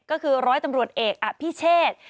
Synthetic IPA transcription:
kɔː˥˩kʰɯː˧ɾɔː˦˥jt̪a˧mɾu˨˩ət̪̚ʔeː˨˩k̚ʔa˨˩pʰiː˥˩t͡ɕʰeː˥˩t̪̚

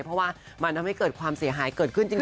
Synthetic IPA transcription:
jpʰɾɔ˦˥waː˥˩ | ma˧nt̪ʰa˧mha˥˩jkɤː˨˩t̪̚kʰwaː˧msi˩˦ɐɦaː˩˦jkɤː˨˩t̪̚kʰɯ˥˩nt͡ɕi˧

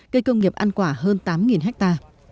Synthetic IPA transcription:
ɣə˧jkə˧wŋ͡mŋi˨˩p̚ʔa˧nkwaː˧˩ɦəː˧nt̪aː˨˦mŋi˨˩nɦɛ˦˥k̚t̪aː˧

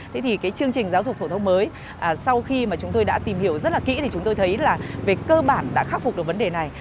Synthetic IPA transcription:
t̪ʰe˨˦t̪ʰi˨˩kaː˨˦jt͡ɕɨ˧əŋt͡ɕï˨˩ŋ̟zaː˨˦wzʊ˨˩k͡p̪̚ʰo˧˩t̪ʰŋ͡mməː˨˦j | ʔaː˨˩sa˧wxi˧maː˨˩t͡ɕʊ˨˦ŋ͡mt̪o˧jɗa̰ː˧˥t̪i˨˩mhi˧˩əwzə˦˥t̚laː˨˩kḭ˧˥t̪ʰi˨˩t͡ɕʊ˨˦ŋ͡mt̪o˧jt̪ʰə˨˦jlaː˨˩ve˨˩kəː˧ɓaː˧˩nɗa̰ː˧˥xaː˦˥fʊ˨˩ɗɨ˨˩kvnɗe˨˩na˨˩j

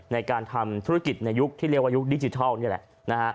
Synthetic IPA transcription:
na˧jkaː˧nt̪ʰa˧mt̪ʰu˦˥ɾa˦˥ki˨˩t̪̚na˧jːu˦˥k̚t̪ʰiː˥˩li˥˩k̚waː˥˩ju˦˥k̚di˧˦˥t͡ɕi˨˧t̪ʰa˥˩ni˥˩lɛ̰˨˩ʔ | na˦˥kʰa˦˥ʔ

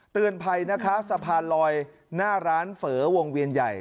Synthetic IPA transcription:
t̪ɯ˨˩ənpʰa˧jna˦˥kʰa˦˥sa˧pʰaː˧nlɔː˧j | naː˥˩ɾaː˦˥nfɤː˩˦wo˧ŋwi˧ənja˨˩j

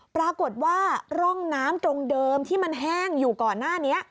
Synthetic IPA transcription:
pɾa˧ko˨˩t̪̚waː˥˩ɾɔ˥˩ŋnaː˦˥mt̪ɾo˧ŋdɤː˧mt̪ʰiː˥˩ma˧nɦɛː˥˩ŋjuː˨˩kɔː˨˩nːaː˥˩ni˦˥ɐʔ

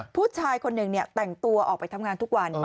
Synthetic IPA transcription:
pʰuː˥˩t͡ɕʰaː˧jkʰo˧nːɯ˨˩ŋni˥˩ət̪ɛ˨˩ŋt̪u˧ɐʔɔ̰ː˨˩k̚pa˧jt̪ʰa˧mŋaː˧nt̪u˦˥k̚wa˧n

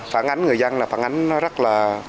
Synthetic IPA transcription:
faː˧˩nʔa˨˦jŋ̟ŋɨ˨˩əjza˧nlaː˨˩faː˧˩˦nʔa˨˦jŋ̟nɔ˨˦zə˦˥t̚laː˨˩

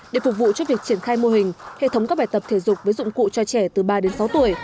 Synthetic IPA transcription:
ɗe˧˩fʊ˨˩k̚vṵ˧˨t͡ɕɔ˧˦vi˨˩ək̚t͡ɕi˧˩ənxaː˧jmo˧ɦï˨˩ŋ̟hḛ˧˨t̪ə˦wŋ͡mkaː˦˥ɓaː˧˩jt̪ə˨˩p̚t̪ʰe˧˩zʊ˨˩k͡p̚və˨˦jzʊ̰˧˨ŋ͡mkṵ˧˨t͡ɕɔ˧t͡ɕɛ˧˩t̪ɨ˨˩ɓaː˧ɗe˨˦nsa˨˦wt̪u˧˩əj

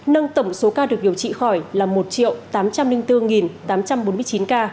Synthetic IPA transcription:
nə˧ŋt̪ə˧˩wŋ͡mso˨˦kaː˧ɗɨ˨˩ək̚ɗi˨˩əwt͡ɕḭ˧˨xɔ˧˩jlaː˨˩mo˨˩t̚t͡ɕḭ˧˨əwt̪aː˨˦mt͡ɕa˧mlï˧ŋt̪ɨ˧ŋi˨˩nt̪aː˨˦mt͡ɕa˧mɓo˨˦nmɨ˧ət͡ɕi˨˦nkaː˧

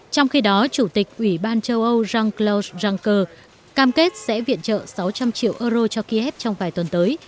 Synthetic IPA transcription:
t͡ɕɔ˧wŋ͡mxi˧ɗɔ˨˦t͡ɕu˧˩t̪ï˨˩k̟̚ʔwi˧˩ɓaː˧nt͡ɕə˧wʔə˧wzaː˧ŋkla˧szaː˧ŋkəː˧ | kaː˧mke˦˥t̚sɛ̰˧˥vḭ˧˨ənt͡ɕə̰ː˧˨sa˨˦wt͡ɕa˧mt͡ɕḭ˧˨əwʔəː˧zo˧t͡ɕɔ˧ki˧ʔɛ˦˥p̚t͡ɕɔ˧wŋ͡mvaː˨˩jt̪wə˨˩nt̪əː˨˦j

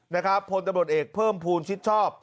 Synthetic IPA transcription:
na˦˥kʰɾa˦˥pʰːo˧nt̪a˧mɾu˩t̪̚ʔeː˨˩k̚pʰɤː˥˩mpʰuː˧nt͡ɕʰi˦˥t̪̚t͡ɕʰɔː˥˩p̚

